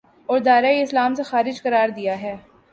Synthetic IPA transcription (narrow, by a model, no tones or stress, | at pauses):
ɔːɾd̪aːɾaiɪslaːmsexaːɾɪd͡ʒkɐɾaːɾd̪ijaɦɛː